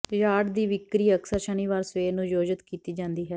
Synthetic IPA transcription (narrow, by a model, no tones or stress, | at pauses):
jaːɖd̪iːʋɪkɾiːəksaːɾʃəniːʋaːɾsʋeːnũːjoːd͡ʒət̪kiːt̪iːd͡ʒãːnd̪iːɦɛː